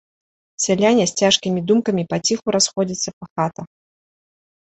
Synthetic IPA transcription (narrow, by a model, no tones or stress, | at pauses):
sʲalʲanʲɐsʲt͡sʲaʂkʲimʲid̪umkɐmʲipat͡sʲixuɾasxɔd͡zʲit̪sːɐpɐxat̪ɐ